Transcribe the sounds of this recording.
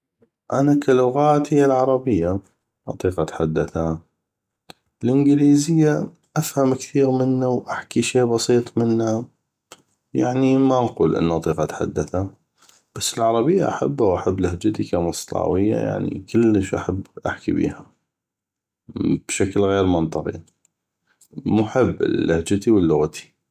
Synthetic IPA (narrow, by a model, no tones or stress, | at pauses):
ʔanakalʊɣaːt̪hɪjːalʕɑɾˤɑbɪjːa | ʔɑ̰t̪ˤiːqɑt̪ħad̪ːaθa | lʔɪnɡliːzɪjːa | ʔafhamkθiːɾmɪnːawʔaħkiʃeːʔbɑsˤiːt̪ˤmɪnːa | jaʕnimaʔɑquːlʔɪ̰nːʔɑt̪ˤiːqɑt̪ħa̰d̪ːaθa | b̥asːɪlʕɑɾˤɑbɪjːa̰ʔa̰ħabːawʔaħabːlahd͡ʒat̪ikamɑsˤlɑ̰ːwɪjːa̰ja̰ʕnḭkɪlːəʃʔa̰ħabːʔa̰ħkḭbḭːha | b̥ʃaklɣeːɾmʊnt̪ˤɨqḭ | mʊħɪbːɪ̰lːahd͡ʒat̪iwɪlːʊɣt̪i̥